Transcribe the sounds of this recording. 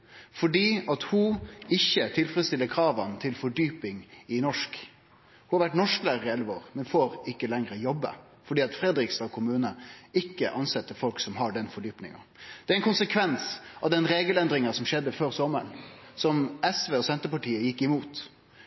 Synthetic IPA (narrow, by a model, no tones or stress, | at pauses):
fɔɖiːɑt̪hʊɪçːət̪ʰɪlfɾɛəst̪ɪlːəkʰɾɑːʋənt̪ʰɪlfɔɖyːpɪŋɪnɔʂk | huhɑɾʋæʈnɔʂklæːɾɪɛlʋəoːɾmɛnfoːɾɪkːəlɛŋɾəjɔbːə̰ | fɔɖiːɑt̪fɾɛd̪ɾɪkst̪ɑkʰʊmʉːnəɪkːə̰ʔɑnsɛt̪ːəfɔlksɔmɦɑɖɛnfɔɖyːpnɪ̰ŋɑ̰ | d̪̥ɛæɾɛnkʊnsəkʰʋɛnsɑʋd̪ɛnɾeːɡəlɛnd̪ɾɪŋɑsɔmʃɛd̪ːəføːɾsɔmə̰ɳsɔmɛsʋeːɔsɛnt̪əpɑʈʰiːəjɪkːɪmuːt̪